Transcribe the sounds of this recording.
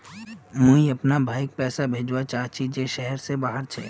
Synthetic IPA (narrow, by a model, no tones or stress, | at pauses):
mũiɐpnabʱaːɪk̚pɛːsabʱeːd͡ʒwat͡ʃaːt͡ʃʰid͡ʒeʃɛɦɛɾsebaːɦəɾt͡ʃʰɛ̰ː